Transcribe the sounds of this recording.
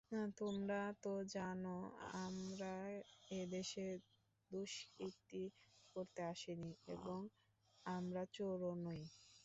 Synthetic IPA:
nt̪omɾat̪od͡ʑanoa̰mɾaed̪eʃe | d̪oʃek̚t̪ikoɾt̪eaʃeniḛboŋ | amɾat͡ɕoɾonoj

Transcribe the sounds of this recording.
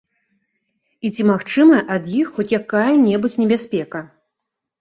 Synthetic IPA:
it͡sʲimaxt͡ʂɨmɐʔɐd̪jixxɔt͡sʲjakajɐnʲɛbut͡sʲnʲɛbʲasʲpʲɛkɐ

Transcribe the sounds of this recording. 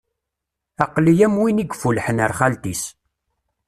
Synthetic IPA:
ɑqlijæmwiniɡfulħənəɾχælt̪is

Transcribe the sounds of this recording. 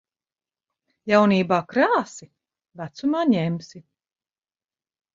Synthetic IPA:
jawniːbaːkɾaːsi | væt̪sumaːɲɛmsi

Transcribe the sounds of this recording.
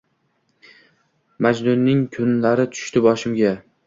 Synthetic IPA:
mad͡ʒd̪ʊnːɪŋkʰʊnlaɾɪt̪ʰʊ̥ʃt̪ɪbɒʃɪmɡʲa

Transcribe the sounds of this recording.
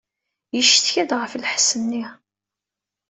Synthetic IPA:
jəʃθçæd̪ʁəflħsənːi

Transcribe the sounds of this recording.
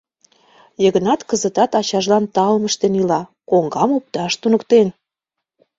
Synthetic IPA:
jəɣə̆nɑt̪kəzət̪ɑt̪ɑt͡ɕɑʒlɑnt̪ɑlməʃt̪enilɑkoŋɡɑmup̚t̪ɑʃt̪unəkt̪en

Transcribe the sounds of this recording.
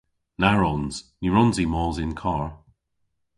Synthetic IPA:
naɹɔnz̥niɹɔnzimɔːzɪnkʰɑːɹ

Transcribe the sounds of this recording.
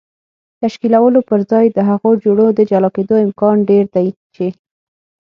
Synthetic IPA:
t̪aʃkilawəlopəɾzɑjd̪əɦaɣod͡ʒoɽod̪əd͡ʒalɑked̪oɪmkɑnɖeɾd̪ajt͡ʃe

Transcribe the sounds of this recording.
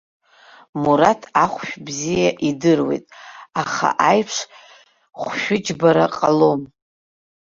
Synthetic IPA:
muɾatʰaχʷʃᶣbzijaʔidɨrwe̞̰jtʼaχa̰ʔajpʰʂ | χʷʃᶣʊd͡ʒbaɾaqʼalo̞m

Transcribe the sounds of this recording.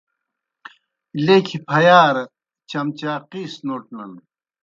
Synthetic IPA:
lekʰipʰɐjaːɾɐ | t͡ɕɐmt͡ɕaːqiːsnoːʈnɐn

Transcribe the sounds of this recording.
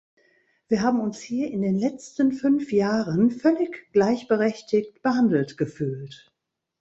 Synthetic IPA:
v̥iːɐɦaːbm̩ʊnshiːɐʔɪndeːnlɛt͡stən̩fʏnfjaːʁənfœlɪçɡ̥laɪçb̥əʁɛçtɪçtb̥əhandl̩tɡ̥əfyːlt

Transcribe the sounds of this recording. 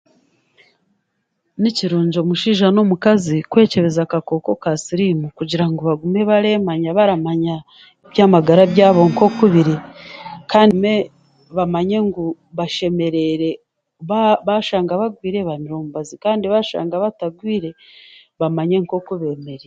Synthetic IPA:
niciɾuːɲɟo̞muʃiːʒanomukazikwe̞ːce̞βe̞zakako̞ko̞kasiɾimukuɟiɾaŋɡo̞βaɡume̞βaɾe̞maɲaβaɾamaɲa | iβjaːmaɡaɾaβjaːβo̞ŋko̞kuβiɾekaːnme̞ | βamaɲe̞ŋɡu | βaʃe̞me̞ɾe̞ɾe̞ | ββaʃaːŋɡaβaɡwiːɾeβamiɾoːmbazikaːndiβaʃa̰ːŋɡaβataɡwiːɾe̞ | βamaɲe̞ŋko̞kuβe̞ːme̞ɾe

